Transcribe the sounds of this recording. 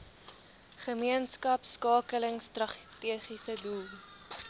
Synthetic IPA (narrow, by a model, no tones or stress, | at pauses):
χəmiənskɐpskɑːkələŋstrɐtiəχisədulˠ